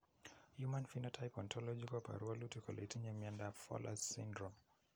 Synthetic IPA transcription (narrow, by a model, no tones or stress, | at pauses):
jumãnfinɔtʰajpɔntʰɔlɔd͡ʒikwapa̰ɾualutikɔlʔɛ̰tiɲamiandafɔ̰lʔa̰ssindɾɔm